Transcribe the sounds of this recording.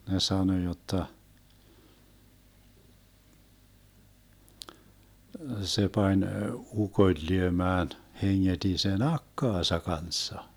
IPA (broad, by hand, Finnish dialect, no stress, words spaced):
ne sɑno jotːɑ se pɑnʲ ukoĭl lyømæːn heŋːed̥i sen ɑkːɑːsɑ kɑnsːɑ